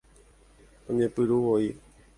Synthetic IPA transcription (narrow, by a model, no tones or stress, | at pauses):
õɲẽpɨɾuoi